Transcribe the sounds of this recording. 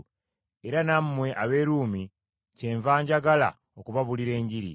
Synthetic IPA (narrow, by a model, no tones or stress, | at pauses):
e̞ɾanammwe̞ʔaβe̞ːɾuːmi | ceːɱvaːɲɟaɡala̰ | okuβaβuliɾe̞ːɲɟiɾḭ